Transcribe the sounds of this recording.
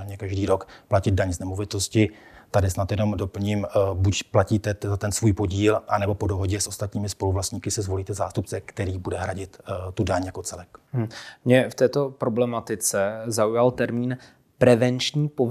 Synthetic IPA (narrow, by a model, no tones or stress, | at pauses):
ɲɛkaʒdiːɾo̞kplacɪd̪̚daɲznɛmo̞vɪt̪o̞scɪ | t̪adɪsnat̪jɛno̞mdo̞pl̩ɲimbucplaciːt̪ɛzat̪ɛnsvuːjpo̞ɟiːlʔanɛbo̞po̞do̞ɦoɟɛsʔo̞st̪at̪ɲiːmɪspo̞luvlast̪ɲiːkɪsɛzvo̞liːt̪ɛzaːst̪upt͡sɛkt̪ɛɾiːbudɛɦɾaɟɪt̪t̪udaɲjako̞t͡sɛlɛk̩mɲɛft̪ɛːt̪o̞pɾoblɛmat̪ɪt͡sɛzaujalt̪ɛɾmiːn | pɾɛvɛnt͡ʃɲiːpo